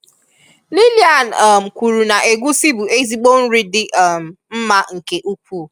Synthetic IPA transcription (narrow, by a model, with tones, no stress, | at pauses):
li˦li˨˦a˨n˨m̩˨kʷu˨ɾu˨na˨ʔe˨ɡʷu˦si˦bu˨e˦zi˦ɡ͡bo˦n̩˦ɾɪ˦dɪ˦ʔm̩˨m̩˦ma˦ŋ̩˨ke˨ʔu˦kʷu˦˨